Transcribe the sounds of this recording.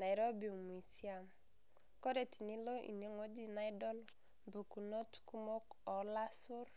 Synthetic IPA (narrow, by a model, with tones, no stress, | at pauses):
na˨ɪ˨ɾo˦bi˨m˨i˨si˦a˨m | kɔ˦de˨ti˨ni˦lo˦ʔḭ˨ne˦ŋo˦d͡ʒi˦˨na˨˦ɪ˦dɔ˦l | bu˨ku˨no˦tku˦mo˦kɔ˨la˦sʊ˦r